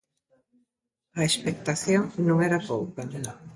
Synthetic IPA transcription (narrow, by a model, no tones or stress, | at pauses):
ɐespek̚t̪aθjoŋnõŋɛɾɐpowkɐ